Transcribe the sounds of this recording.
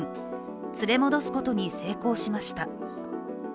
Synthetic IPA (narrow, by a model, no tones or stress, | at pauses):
t͡sɨɾe̞mo̞d̪o̞sɨ̥ko̞t̪o̞ɲ̟ise̞ːko̞ːɕimaɕi̥t̪a